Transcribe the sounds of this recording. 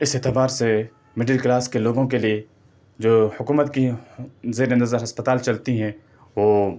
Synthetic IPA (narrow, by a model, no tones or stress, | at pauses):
ɪset̪ebaːɾse | mɪɖəlklaːskeloːɡõkelie | d͡ʒoːhʊkuːmət̪kizeːɾẽnd̪ɐəzəɾɦɐspət̪aːlt͡ʃɐlt̪iɦɛ̃ | ʋoː